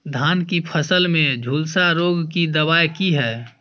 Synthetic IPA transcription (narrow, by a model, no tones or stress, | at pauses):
d̪ʱaːnkipʰəsəlmẽd͡ʒʱuːlsaɾoːɡkid̪əβaːjkiɦɛː